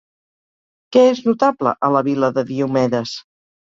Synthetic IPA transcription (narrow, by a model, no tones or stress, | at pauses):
kɛeznut̪ablə̰ʔələβiləðəðiumɛðəs